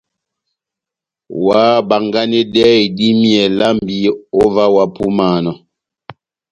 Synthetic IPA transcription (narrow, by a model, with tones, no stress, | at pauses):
wa˨˦ba˨ŋɡa˦ne˦dɛ˦˨di˦mjɛ˨la˦mbi˦o˦va˦wa˨pu˦maː˨nɔ˨